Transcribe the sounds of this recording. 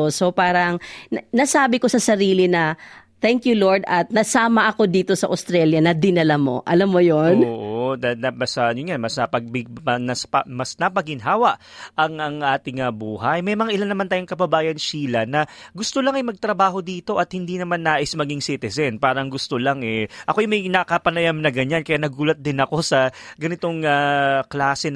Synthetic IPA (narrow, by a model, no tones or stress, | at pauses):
sopaːɾɐŋnɐsaːbɪko̞sɐsɐɾiːlɪnɐ | t̪ɛŋkjuloɹd̪ɐt̪̚nɐsaːmɐʔɐko̞d̪iːt̪osɐʔɐ̰st̪ɾɛljɐnɐd̪ɪnɐlamo̞̰ʔɐlamːojonoːʔoɐnɐbɐsɐʊnjanmɐsnɐpɐɡ̚bɪɡ̚ɐnɐspɐmɐsnɐpɐɡɪnɦaːwɐʔʔɐŋɐŋʔaːt̪ɪŋɐbuːɦɐjmɐjmɐŋaʔɪlanːɐmant̪aːjʊŋkɐbɐbaːjɐnʃiːlɐnɐɡʊst̪olɐŋɐjmɐɡ̚t̪ɾɐbaːɦo̞d̪iːt̪o̞ʔɐt̪̚hɪnd̪iːnɐmanːaːʔɪsmɐɡiŋsiːt̪ɛzɛnpaːɾɐŋɡʊst̪olaŋʔɛʔɐkojmɐjnɐkɐpɐnɐjamnɐɡɐɲankɐjaːnɐɡuːlɐt̪̚d̪ɪnɐko̞sɐɡɐnɪt̪o̞ŋaklaːsɛ